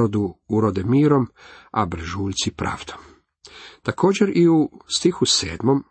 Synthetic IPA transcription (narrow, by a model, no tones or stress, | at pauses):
od̪uuɾod̪emiːɾo̞mabɾ̩ʒuːʎʲt̪sipɾʔa̰ːʋd̪̥om | t̪ako̞ːd͡ʑeɾiust̪ixuse̞̰ːd̪mo̞m